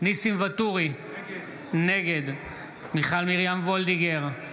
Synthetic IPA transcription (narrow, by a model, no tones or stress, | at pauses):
nisimvat̪uʁi | neɡe̞d̪ | miχalmiʁjamvold̪iɡeʁ